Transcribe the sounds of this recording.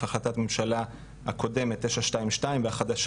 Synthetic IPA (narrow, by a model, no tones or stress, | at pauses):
aχlatatmemʃala | ha̰kʰo̞de̞metːeʃaʃtaimʃtaimveaχadaʃ